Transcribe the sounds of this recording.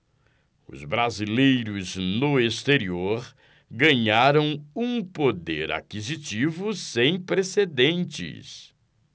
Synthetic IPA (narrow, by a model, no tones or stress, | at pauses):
ʊ̰zbɾazilejɾʊznʊest̪eɾioɾ | ɡɐ̃ɲaɾɐ̃w̃ũpod̪eɾa̰kizit͡ʃivʊsẽj̃pɾesed̪ẽnt͡ʃɪ̰s